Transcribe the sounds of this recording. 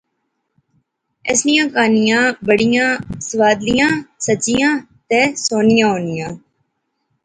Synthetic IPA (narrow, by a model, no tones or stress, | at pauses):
ɛ̰snɪjãːkaːnijãːbəɽɪjãːsəʋaːd̪lijãːsət͡ʃijãːt̪ɛːsoːnɪjãːɦoːnɪjãː